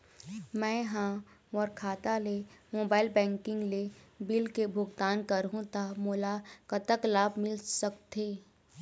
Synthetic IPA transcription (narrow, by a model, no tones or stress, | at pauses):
mɛ̃ːɦãmɔːɾkʰaːt̪alemoːbaːɪlbɛ̃ːŋkɪ̃ŋɡlebɪlkebʱʊɡt̪aːnkɐɾɦũt̪amoːlakɐt̪əklaːbmɪlsəkt̪eː